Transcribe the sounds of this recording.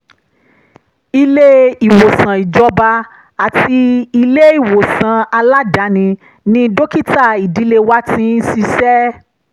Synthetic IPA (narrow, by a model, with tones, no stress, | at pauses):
i˧le˦i˨wo˨sã˨i˨d͡ʒɔ˧ba˧ | a˨ti˧i˧le˦i˦˨wo˨sã˨a˧la˦da˨˦nĩ˧ | nĩ˧do˦ki˦˨ta˦˨i˨di˨˦le˧wa˦tĩ˦n̩˦si˧sɛ˦